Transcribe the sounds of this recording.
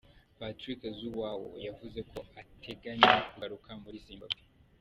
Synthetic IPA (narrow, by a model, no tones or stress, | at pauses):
patɾikzuwawo̰javuzekʰoatʰeɡaɲekuɡaɾukambuɾisimbapi̥